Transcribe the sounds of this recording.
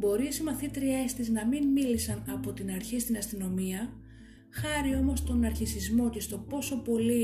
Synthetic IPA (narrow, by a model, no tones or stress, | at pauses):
bo̞ɾisimɐθit̪ɾie̞st̪iznɐminmilisɐnɐpo̞t̪inɐɾçist̪inɐst̪ino̞miɐ | xɐɾio̞mo̞st̪o̞nɐɾçisizmo̞ce̞st̪o̞po̞so̞po̞li